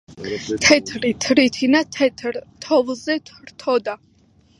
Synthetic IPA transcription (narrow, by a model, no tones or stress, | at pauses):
t̪ʰɛt̪ʰɾit̪ʰɾit̪ʰinat̪ʰɛt̪ʰɾt̪ʰɔvlˠzɛt̪ʰɾt̪ʰɔd̪a